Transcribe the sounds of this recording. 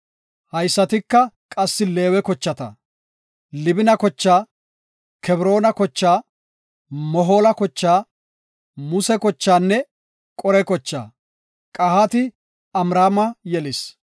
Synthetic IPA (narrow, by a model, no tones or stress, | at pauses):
hɐjsːɐt̪ɪkːɐkʼɐsːɪle̞ːwɛkɔt͡ʃːɐt̪ɐ̰ | lɪbɪnɐkɔt͡ʃːaː | kʰɛbɾo̞ːnɐkɔt͡ʃːaː | mɔɦo̞ːlɐkɔt͡ʃːaː | mʊsɛkɔt͡ʃːaːnːɛ | kʼɔɾɛkɔt͡ʃːa̰ː | kʼɐhat̪ɪ | ɐmɾaːmɐjɛlɪs